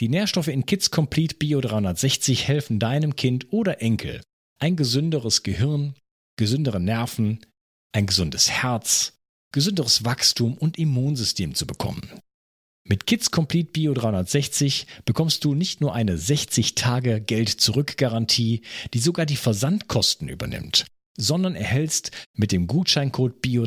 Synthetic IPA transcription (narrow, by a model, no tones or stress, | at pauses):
d̥iːneːɐʃtɔfəɪnkʰɪt͡skʰɔmpʰl̥iːtb̥iːodʁaɪhʊndɐtz̥ɛçt͡sɪçhɛlfn̩daɪnəmkʰɪntʔoːɾɐʔɛŋkʰl̩ | ʔaɪnɡəzʏndəʁəsɡ̥əhɪʁn | ɡ̥əzʏndəʁənɛɐfn̩ | ʔaɪnɡəzʊndəshɛɐt͡s | ɡ̥əzʏndəʁəsv̥akstʰuːmʊntimuːnzʏstʰeːmt͡subəkʰɔ̰mən | mɪtkʰɪt͡skʰɔmpliːt̚b̥iːodʁaɪʊndɐtz̥ɛçt͡sɪçb̥əkʰɔmst̚d̥uːnɪçtnuːɐʔaɪnəzɛçt͡sɪçtʰaːɡəɡɛltt͡suʁʏkɡ̥aʁantʰiːd̥iːzoɡaːɐdiːfɛɐzantkʰɔstn̩ʔyːbɐ̰nɪ̰mt | z̥ɔndɐnɛ̰ɐhɦɛlstmɪt̚d̥eːmɡuːtʃaɪnkʰoːt̚b̥iːo